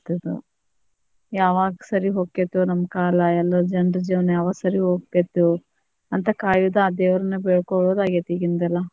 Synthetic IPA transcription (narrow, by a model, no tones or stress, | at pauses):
t̪ɐd̪ṵ | jaːʋaːɡɐsɐɾiɦoːkːet̪ːunɐmːɐkaːlɐɛlːɐd͡ʒɐɳɖɐd͡ʒiʋɐnjaːʋaːɡsɐɾiɦoːkkːet̪ːu | ɐnt̪ɐkaːjud̪aːd̪eːʋɾɐnːɐbeɭkoɭoːd̪aːɡet̪iɡind̪ɛlːɐ